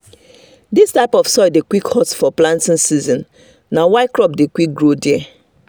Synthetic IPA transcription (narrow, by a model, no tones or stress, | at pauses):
distaɪpɔfsɔɪdekwikhɔtsfɔplãntɪ̃nsizɔ̃n | nawaɪkɾɔp̚dekwik̚ɡɹodɛ